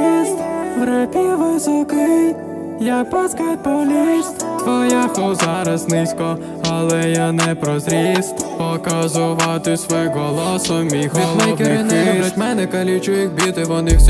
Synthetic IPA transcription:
ist̪bɾɛpʲiʋɪsɔkɪ | jak̚pɔskalpɔlʲist̪ʋɔjapɔwzɑɾɐznɪsʲkɔ | ɐlˠɛjanɛpɾɔzɾʲist̪pɔkɐzʊʋɑt̪ɪsʋɔjɦɔlˠɔsɔmʲixid̪mɔikɛɾɪnɪɾɐt̪ʲmɛnɛkɐlʲit͡ʃʊjɪxbʲit̪ɪʋɔnɪwsʲ

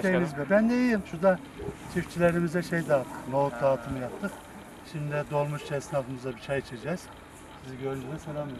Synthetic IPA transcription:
ejmizbɛbænd̪ɛjijimʃud̪a | t͡ʃʰift͡ʃʰilʲeɾimizd̪ɛʃejd̪aːt̪ʰːɯ̥qnout̪̚d̪aːt̪ʰɯmɯjap̚t̪ʰːɯq | ʃimd̪ɛd̪o̞lˠmuʃt͡ʃʰɛsnafɯmɯzd̪abit͡ʃʰajit͡ʃʰed͡ʒɛz̥ | biziɟøɾynd͡ʒʰyd̪ɛsanam

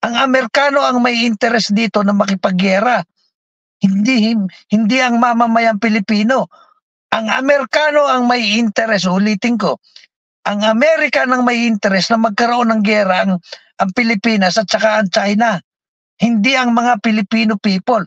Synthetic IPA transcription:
ʔɐŋɐmɛɾkaːno̞ʔɐŋmɐjʔɪnt̪ɛɾɛsd̪iːt̪o̞nɐmɐkɪpɐɡɛːɾa | hɪnd̪ihɪnd̪iʔɐŋmamamajɐŋpɪlɪpiːno̞ | ʔɐŋɐ̰mɛɾkaːno̞ʔɐŋmɐjɪnt̪ɛɾɛs̬ʊliːt̪ɪŋko̞ | ʔɐŋɐmɛːɾɪkanɐŋmɐjʔɪnt̪ɛɾɛsnɐmɐɡ̚kɐɾoʔo̞nːɐŋɡɛːɾaɐŋʔɐŋpɪlɪpiːnɐsɐt̪̚t͡ʃɐkaʔɐŋt͡ʃajna | hɪnd̪iʔɐŋmɐŋapɪlɪpiːnopiːpo̞l

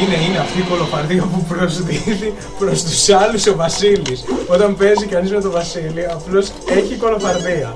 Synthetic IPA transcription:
ine̞ineɐft̪iko̞lo̞fɐɾðiɐpupɾozðiði | pɾo̞st̪u̥sɐluso̞vɐsiliso̞t̪ɐmpe̞zikɐnizme̞t̪o̞vɐsiliɐplo̞s | e̞çiko̞lo̞fɐɾðiɐ

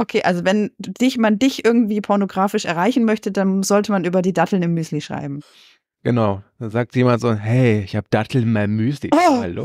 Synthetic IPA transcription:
ʔokʰeːʔalzovɛnd̥ɪçmandɪçʔɪɐɡŋ̩tv̥iːpʰɔɐnoɡʁaːfɪʃɛ̰ɐʁ̞aɪçn̩mœçtədanzɔltəmanʔyːbɐdiːdatl̩nɪmːyːsliʃʁ̥a̰ɪbm̩ | ɡ̥ənaʊd̥aːzaːk̚tʰjeːmantz̥oːhɛɪɪçhaːbəd̥atʰl̩ɪnmaɪnmyːslḭhalo̰ː

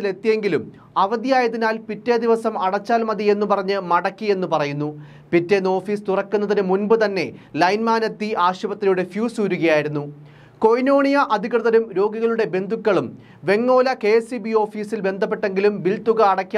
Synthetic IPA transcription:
sile̞t̪ːije̞ŋɡilum | ɐʋɐðijaːjɐðinaːlpitːeːd̪iʋɐsɐmɐɽɐt͡ɕːaːlmɐðie̞nːupɐrɐɲːɨmɐɽɐkːie̞nːupɐrɐjunːu | pitːeːnːo̞ːfiːst̪urɐkːunːɐðinɨmunbɨt̪ɐnːe̞lɐjnmaːnɐt̪ːiʔaːɕubɐt̪ːrɐjuɽe̞fjuːsuːɾuɣɐjaːjiɾunːu | ko̞jno̞ːɳijɐʔɐd̪ʱikrɨðɐɾumɾo̞ːɡiɣɐɭuɽe̞be̞nd̪ʱukʲːɐɭum | ʋe̞ŋːo̞ːlɐke̞ːsibio̞ːfiːsilbe̞nd̪ʱɐp̬ːe̞ʈːe̞ŋɡilumbilt̪uɣɐːɽɐkʲː

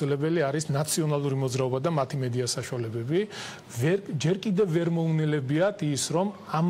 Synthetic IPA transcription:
ilɛbɛliaɾisnat̪sʰiɔnalˠuɾimɔd̪zɾaɔbad̪amat̪ʰimɛd̪iasaʃualɛbɛbi | vɛd͡ʒɛɾkʼid̪ɛvːɛɾmɔnilɛbiat̪ʰisɾɔmam

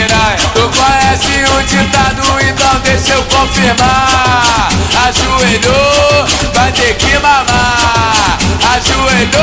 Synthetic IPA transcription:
ɾat̪okaɛsiũd͡ʒĩt̪anũẽt̪ɐ̃w̃d̪eʃewkõfihma | aʒued̪ovajd̪ekĩmama | aʒuedo

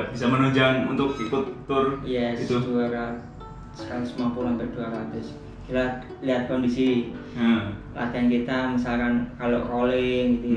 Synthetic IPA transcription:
b̥isamənoɲd͡ʒaŋṵnt̪ʊkkut̪ːʊrjɛsduaɾa | sə̥kalisəmuapulaŋbərduaɾat̪ʊs | kit̪a | liɦat̪̚kɔndisi | la̰t̪ankit̪amisalkankalokolɪŋɡit̪u

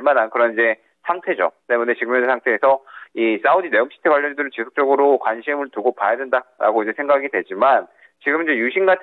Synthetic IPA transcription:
ɭmanankɯɾʌnid͡ʑe̞ | sʰaŋtʰe̞d͡ʑo̰t͈e̞mune̞t͡ɕiɡɯmjʌnsʰaŋtʰe̞ːsʰʌis͈audine̞omɕʰi̥tʰekwaʎjːʌnidɯɾɯt͡ɕisʰo̥k̚t͡ɕ͈ʌɡɯɾokwanɕʰimɯɭtuɡopajadwendaɾa̰ɡoid͡ʑe̞sʰe̞ŋɡaɡidwe̞d͡ʑiman | t͡ɕiɡɯmɯnd͡ʑejuɕʰiŋɡatʰ

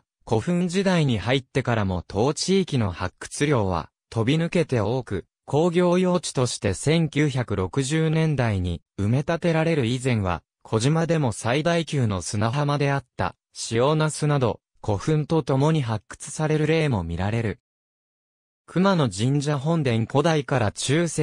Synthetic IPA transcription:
ko̞ɸɯ̟̃ɲd͡ʑid̪aiɲ̟ihait̪ːe̞kaɾamo̞t̪ʰo̞ːt͡ɕiːkʲino̞hakːɯ̟̥t͡sɨɾʲjo̞ːβ̞a̰ | t̪ʰo̞bʲinɯ̟ke̞t̪e̞o̞ːkɯ̟̰ | kʰo̞ːɡʲo̞ːjo̞ːt͡ɕi̥t̪o̞ɕi̥t̪e̞sẽ̞ŋkʲɨːçakɯ̟ɾo̞kɯ̟ʑɨːnẽ̞nd̪aiɲ̟ḭ | ɯ̟me̞t̪at̪e̞ɾaɾe̞ɾɯ̟izẽ̞ɰ̃βa̰ | kʰo̞ʑimad̪e̞mo̞said̪aikʲɨːno̞sɨnaɦamad̪e̞at̪ːa̰ | ɕijo̞ːnasɨnad̪o̞̰ | kʰo̞ɸɯ̟̃nt̪o̞t̪o̞mo̞ɲ̟iɦakːɯ̥t͡sɨ̥saɾe̞ɾɯ̟ɾe̞ːmo̞mʲḭɾaɾe̞ɾɯ̟ | kʰɯ̟mano̞d͡ʑĩɲ̟d͡ʑaɦõ̞nd̪ẽ̞ŋko̞d̪aikaɾat͡ɕɨːse

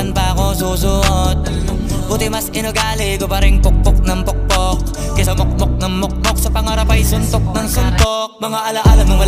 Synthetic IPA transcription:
anbɐɐkosuːsʊŋot̪̚ | bʊt̪ɪmɐsʔɪnoɡaːlɪɡobɐɾɪŋpʊk̚pʊk̚nɐŋpok̚pok̚ | kɛsɐmok̚mok̚nɐŋmok̚pok̚sɐpɐŋɐɾɐpajsʊnt̪ok̚nɐŋsʊnt̪ok̚mɐŋaʔɐlaʔɐlɐmnʊŋmɐ

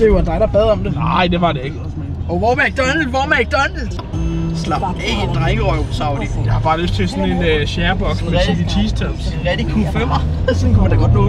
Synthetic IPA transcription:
d̥e̝jnd̥ɑ̈ɪɾ̥ɑ̈b̥ɛðˠɒ̽md̥e̝nɑ̈ɪd̥e̝ʋɑ̈dee̝ɡ̥ | ɔʊʋɒmæɡ̥̚d̥ɒnl̩ʋɒmæɡ̥̚d̥ɒnl̩̥ | slɑ̈b̥̚eend̥ʁaɡ̥əɒɪsɑ̈ʊdijɑ̈hɑ̈b̥ɑ̈ːløsd̥t͡sʰe̝sɔninɕæɐb̥ɒ̽ɡ̥æsiʋit͡sʰiːsdʰøm | jæd̥ekʰufømɐsɔ̽nkʰumænd̥ɑɡ̥ɒd̥nɔː

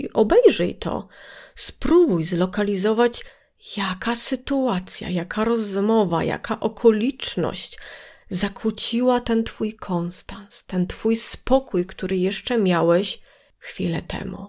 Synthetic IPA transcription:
iʔɔbɛjʐɛjt̪ʰɔ̰spɾubujzlɔkalʲizɔvat͡ɕ | jakasɘt̪uat̪sʲja̰jakʰaɾɔzmɔva̰ja̰kaʔɔkʰɔlʲit͡ʂnɔ̰ɕt͡ɕzakʰut͡ɕiwat̪ɛnt̪fujkʰɔnst̪anst̪ɛnt̪fujspɔkujkt̪uɾɘjɛʂt͡ʂɛmʲjawɛɕ | xfʲilɛt̪ʰɛ̰mṵ

